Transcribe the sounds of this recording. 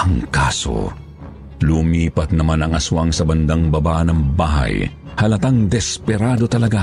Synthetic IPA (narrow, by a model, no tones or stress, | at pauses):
ʔɐŋkaːso̰ | lʊmiːpɐt̪̚nɐmanɐŋɐswaŋsɐbɐnd̪aŋbɐbaʔnɐŋbaːɦɐ̰j | hɐlɐt̪aŋd̪ɛspɛɾaːd̪o̞t̪ɐlɐɡa